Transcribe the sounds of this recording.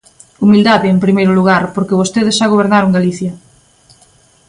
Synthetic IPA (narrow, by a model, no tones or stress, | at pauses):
umild̪aðeempɾimejɾʊluɣ̞aɾpoɾkeβ̞ost̪eðesʃaɣ̞oβ̞eɾnaɾoŋɡaliθjɐ